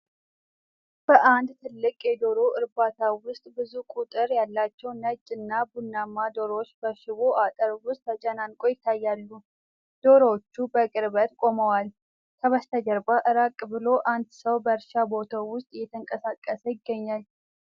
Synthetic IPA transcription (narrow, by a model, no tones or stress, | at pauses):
b̥əʔand̪t̪ʰɨlːɨkʼjɛd̪o̞ɾoʔɨɾbat̪ʰawʊst̪ʼbɨzukʼut̪ʼɨɾjalːat͡ʃːɛwnəd͡ʒʼɨnːabunːamːad̪oɾot͡ʃːbəʃɪβoʔat̪ʼəɾwʊst̪ːʰət͡ʃʼɛnankʼojɪt̪ʰːajːalːu | d̪̥o̞ɾot͡ʃːubəkʼɨɾbət̪kʼo̞məwal | kʰəβəst̪ʰəd͡ʒəɾbaʔɨɾakʼbɨlo̞ʔand̪səwbəɾʃabo̞t̪ʰawʊst̪ʼjɛt̪ʰəŋkʼəsakʼːəsəjɪɡːəɲːal